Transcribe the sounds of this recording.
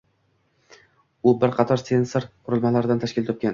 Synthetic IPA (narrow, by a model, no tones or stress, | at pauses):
ʊbɪɾqʰɑt̪ʰɒɾse̞nsoɾqʰʊɾɪlˠmalaɾɪd̪ant̪ʰaʃkʲɪlt̪ʰop̚kʲan